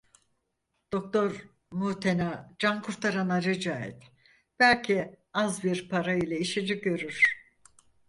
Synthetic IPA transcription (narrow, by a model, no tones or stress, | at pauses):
d̪̥o̞k̚t̪o̞ɾ | muːt̪ʰenad͡ʒankʰuɾt̪ʰaɾanaɾed͡ʒaːɛ̰t̪ | b̥ælʲcʰi | azbiɾpʰaɾailʲɛiʃid͡ʒiɟø̞ɾyɾ̥